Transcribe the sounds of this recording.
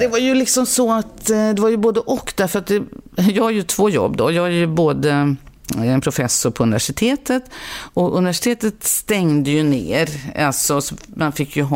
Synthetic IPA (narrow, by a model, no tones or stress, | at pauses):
d̪ɛvaɾjɵlɪksɔmsɔat̪d̪ɛvaɾjɵboːd̪əʔɔkːd̪æɾfœɾat̪̚d̪ɛjɑːɡhaɾjɵt̪ʰv̥oːjɔ̰bːd̪ɔjɑːæɾjɵboːd̪ə | ɛnpʰɾʊfɛsʊɾpʰɔɵnɪvæʂɪt̪ʰeːt̪ət̪ɔɵnɪvæʂɪ̥t̪ʰeːt̪ət̪st̪ɛŋd̪əjɵnḛːɾa̰lsɔsɔmanfɪkʰːjɵɦ